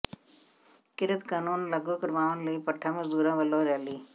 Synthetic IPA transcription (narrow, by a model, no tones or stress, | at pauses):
kɪɾət̪kaːnuːnləɡuːkəɾʋaːʋnləipəʈʰːãːməzd̪uːɾãːʋəloːɾɛːliː